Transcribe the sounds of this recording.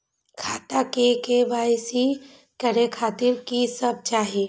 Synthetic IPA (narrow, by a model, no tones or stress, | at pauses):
kʰaːt̪akekebaːsi | kəɾekʰaːt̪ɪɾkisəb̚t͡ʃaːɦe